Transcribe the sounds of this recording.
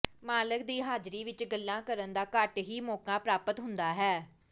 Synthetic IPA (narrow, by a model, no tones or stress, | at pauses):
maːlək̚d̪iːɦaːd͡ʒɾiːʋɪt͡ʃɡəlːãːkəɾənd̪aːkəʈɦiːmoːkãːpɾaːpət̪ɦʊnd̪aːɦɛː